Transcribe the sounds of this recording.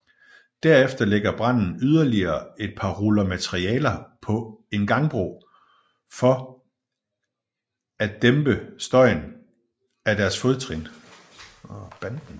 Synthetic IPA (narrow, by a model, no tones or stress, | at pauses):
d̥æɐ̰efd̥ɐleɡ̥ɐb̥ʁɑn̰n̩yð̞ˠɐliɐːe̝d̥̚pʰɑ̈ʁulɐmæt͡sʰeʁiɛ̰ːlɐpʰɒ̽e̝nɡ̥ɑ̈ŋb̥ʁo̝̰ː | fɒ̽ | ædd̥emb̥əsd̥ɒ̽ɪn | æd̥æɐsfoð̞̩ˠt͡sʰʁin | b̥ænd̥n̩